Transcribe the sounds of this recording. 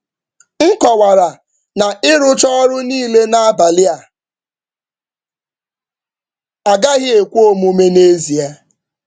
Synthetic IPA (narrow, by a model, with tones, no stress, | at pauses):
ŋ̩˦kɔ˨wa˨ɾa˨ | na˨ɪ˦ɾʊ˦t͡ʃɔ˦ɾʊ˦niː˦le˦na˦a˦ba˨lɪ˦a˨ | a˨ɡa˦ɣɪ˦e˨kʷu˦o˦mu˦me˦ne˦zi˨a˦